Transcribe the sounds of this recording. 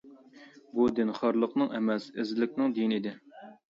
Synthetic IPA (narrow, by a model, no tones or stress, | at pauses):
bud̪ɪnχɑɾlˠəqnɨŋɛmɛsɪzlɪkʲnɪŋd̪ijnid̪ɪ